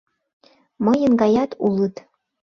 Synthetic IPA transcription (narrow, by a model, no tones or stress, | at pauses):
mɤjə̆nɡɑjɑt̪ulˠət̪